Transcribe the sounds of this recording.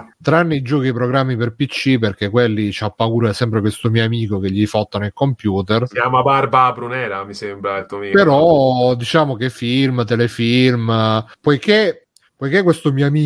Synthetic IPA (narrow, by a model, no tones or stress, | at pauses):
t̪ɾanːeid͡ʒɔːkiepɾoɡɾamːiperpit͡ʃːiperkekwelːit͡ʃapːakuːɾoɛsɛmpɾekwest̪omioamiːkok̟eʎːifɔt̪ːanelkompjuːt̪eraːmabarbabɾunɛːɾamisembɾailt̪uomipeɾɔd̪it͡ʃaːmok̟efːilmt̪elefilmpojke | pojk̟ekːwest̪omiːoamiː